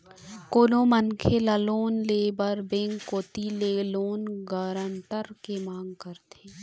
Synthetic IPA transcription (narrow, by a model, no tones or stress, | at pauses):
koːlõmənkʰelaloːnleːbəɾbẽːŋkːoːt̪ileloːnɡəɾənt̪əɾkemãːŋɡkəɾt̪ʰeː